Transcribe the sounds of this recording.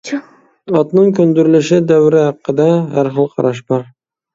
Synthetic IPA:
ɒt̪nɪŋkʰɵnd̪ɪɾɪlɪʃɪd̪awɾɪhɑqːɨd̪ahaɾχɨlˠqʰɑ̰ɾaʃ̬bɒɾ

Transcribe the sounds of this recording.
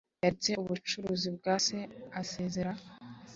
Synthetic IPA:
jaɾit͡se̞uβut͡ʃuɾuːzibɡaːsease̞ːze̞ɾa

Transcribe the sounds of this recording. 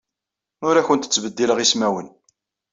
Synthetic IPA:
ʊɾæçənt̪ə̥t͡sːbəd̪ːiləʁismæwən

